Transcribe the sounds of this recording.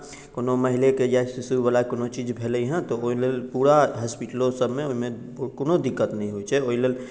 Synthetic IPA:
konoməɦilekejasisualakonot͡ʃid͡ʒbʱeləɦɛ̃t̪ɔoilelpuɾaɦəspiʈlosəbmeoɦime | konod̪ikːət̪nəĩɦojt͡ʃʰɛoilel

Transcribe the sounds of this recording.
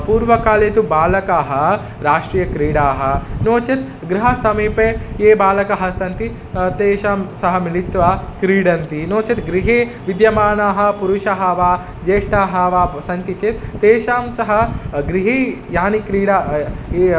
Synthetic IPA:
puːɾʋɐkaːleːt̪ubaːlɐkaːɦɐ̆ | ɾaːʂʈɾijɐkɾiːɽaːɦɐ̆noːt͡ʃet̪ | ɡɾiɦɐsɐmiːpeːeːbaːlɐkɐɦɐsɐnt̪i | t̪eːʃaːmsɐɦɐmilit̪ʋaːkɾiːɽɐnt̪inoːt͡ʃet̪ɡɾiɦeːʋid̪jɐmaːnaːɦɐ̆puɾuʃaɦɐʋaː | d͡ʒeːʂʈaːɦɐʋaːsɐnt̪it͡ʃeːt̪ːeːʃaːmsɐɦɐ̆ɡɾiɦeːjaːnikɾiːɽaːeː

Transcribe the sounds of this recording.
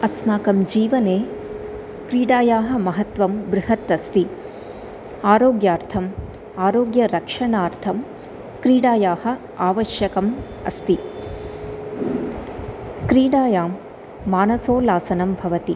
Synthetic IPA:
ɐsmaːkɐmd͡ʒiːʋɐneː | kɾiːɽaːjaːɦɐ̆mɐɦɐt̪ʋɐmbɾɪɦɐt̪ɐst̪i | aːɾoːɡjaːɾt̪ʰɐm | aːɾoːɡjɐɾɐkʂɐɳaːɾt̪ʰɐm | kɾiːɽaːjaːhɐ̆ | aːʋɐʃjɐkɐm | ɐ̰st̪i | kɾiːɽaːjaːmː | aːnɐsoːlaːsɐnɐmbʱɐʋɐt̪i

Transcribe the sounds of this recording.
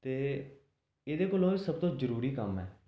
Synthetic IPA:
t̪eː | eːd̪eːkoːlõːiːsəb̚t̪õːzəɾuːɾiːkəmɛ̰ː

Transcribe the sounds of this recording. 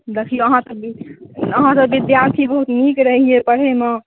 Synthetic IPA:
d̪ekʰlijoəɦãt̪əbiəɦãt̪əbid̪jaɾt̪ʰibəɦut̪mikɾəɦiepəɽ̤eme

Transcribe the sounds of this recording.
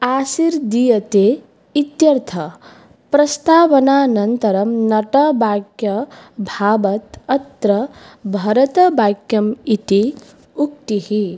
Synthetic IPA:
aːsiɾd̪ijɐt̪eː | it̪jɐɾt̪ʰɐ | pɾɐst̪aːʋɐnaːnɐnt̪ɐɾɐmnɐʈɐbaːɡjɐbʱaːbɐt̪ɐt̪ɾɐ | bʱɐɾɐt̪ɐbaːɡjɐmit̪i | uk̚t̪ihi

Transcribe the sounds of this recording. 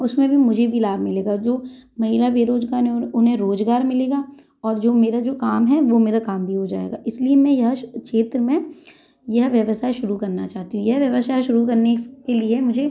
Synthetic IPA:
ʊsmẽbʱimʊd͡ʒʱebʱilaːbmɪleːɡad͡ʒoːmɐɦiːɾabʱeːɾoːd͡ʒɡaːɾnɦɛ̃ʊnɦẽɾoːd͡ʒɡaːɾmɪleːɡaː | ɔːɾd͡ʒoːmeːɾad͡ʒoːkaːmɦɛʋomeːɾakaːmbʱiɦod͡ʒa̰ːḛːɡaːɪsliemɛ̃jɐɦʃeːt̪ɾəmẽ | jɐɦʋjɐʋəsaːeʃʊɾukɐɾnat͡ʃaːɦt̪iɦũjɐɦʋjɐʋəsaːeʃʊɾuk̬ɐɾnekeliemʊd͡ʒʱe

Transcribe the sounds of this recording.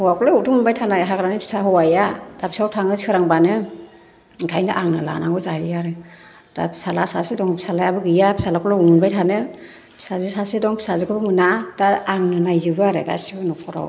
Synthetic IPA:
hɔwakʰɔlɔutʰuŋmunbajtʰanajɦaɡɾanɯpʰi̥saɦɔwajadapʰi̥sawtʰaŋɯsikɯɾaŋbanɯ | ɡʰajnɯʔaŋnɯla̰naŋɡɔzaijaɾɯ | da̰pʰi̥salasasedɔŋpi̥salajabɯɡɯjapʰi̥salakʰɔlɔuŋmunbajtʰanɯ | pʰi̥sazisasedɔŋpʰi̥sazɯkʰɯbɯmɯnad̥aɾaŋnɯnajzɯbɯaɾeɡa̰sibɯnɔkʰɔɾa̰w

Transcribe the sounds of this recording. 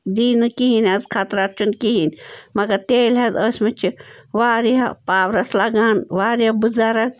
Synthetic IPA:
d̪iːnɨkiɦinɐzkʰaːt̪ɾaːt̪̚t͡ʃʰunkiɦinʲmɐɡɐɾt̪eːlʲɐzəsʲmɐt͡ʃʰiʋaːɾiɐpaːʋɾɐslaɡaːnʋaːɾiɐbɨzaːɾɐk̚

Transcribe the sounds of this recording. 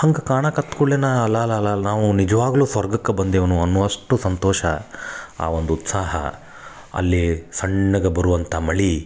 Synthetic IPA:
hɐŋɡɐkaːɳɐkɐt̪kuɭːenɐɐlːɐlɐlɐnaːʋunid͡ʒɐʋaːɡɐluːsʋɐɾɡɐkːebɐnd̪eʋɐnuɐnːuːɐʂʈusɐnt̪ɔːʃɐa̰ːʋond̪uːt̪saːɦɐ̰ | ɐ̰lːisɐɳːɐɡɐbɐɾuʋɐnt̪ʰɐmɐɭi

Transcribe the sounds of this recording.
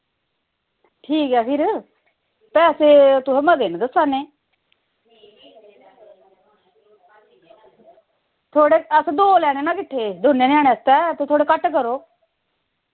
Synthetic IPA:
ʈʰiːkɛːpʰɪɾ | pɛːseːt̪ʊɛ̃məd̪eːnd̪əsːaːneː | t̪ʰoːɽeːəsd̪oːlɛːneːnãːkɪʈʰːeːd̪ʱonːeːnaːneəst̪ɛːt̪eːt̪ʰoːɽeːkəʈkəɾoː

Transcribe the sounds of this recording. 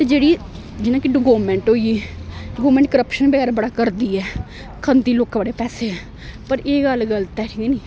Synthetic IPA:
t̪ed͡ʒeːɽiː | d͡ʒɪnãːkɪɖəɡoːmɛ̃ːɳʈɦoːiiːɖɡoːmɛ̃ːɳʈ̚kəɾəpʃənbəɡɛːɾbəɽaːkəɾd̪iːɛː | kʰənd̪iːloːkbəɽeːpɛːseɦɛː | pəɾeːɡəlɡəlt̪ɛːʈʰiːkɛːniː

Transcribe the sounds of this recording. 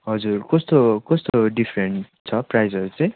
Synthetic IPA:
ɦʌd͡zurkʌst̪okʌst̪oɖipʰɾeɳʈ | t͡sʰʌprajd͡zʌɾut͡sʌj̃

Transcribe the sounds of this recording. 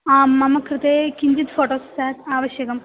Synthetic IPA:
aːmːɐmɐkɾɨt̪eːkiɲd͡ʒit̪foːʈoːsːaːt̪aːʋɐʃjɐkɐm

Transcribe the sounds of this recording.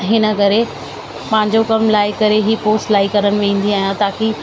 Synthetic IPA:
ɦɪnə̆kɐɾe | pɐ̃ɦɪ̃ɲd͡ʑokɐmlaːɪkɐɾeɦipoːsʈlaːikɐɾəɽ̃̆ʋẽːn̆d̪iaːɦjãt̪aːki

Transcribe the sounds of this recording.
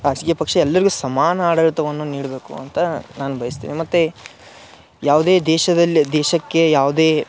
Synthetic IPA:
ɐsɡepɐkʂeɛlːɐɾiɡusɐmaːnɐaːɽɐɾt̪ɐʋɐnːuniːɽbe̞ːkṵɐ̰nt̪ɐnaːnubʱɐjɐst̪ḭːnimɐt̪ːe | jaːʋud̪eːd̪ɛːʃɐd̪ɐlːid̪ɛːʃɐkːe̞jaːʋud̪eː

